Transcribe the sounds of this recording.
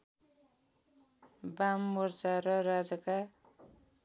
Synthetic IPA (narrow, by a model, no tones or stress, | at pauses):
bamːort͡saɾʌrad͡zʌka